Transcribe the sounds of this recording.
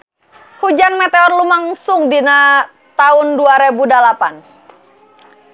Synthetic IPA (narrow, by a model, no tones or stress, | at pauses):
hud͡ʒanmɛt̪eɔrlumaŋsʊŋdina | t̪aʊnduaɾebudalapan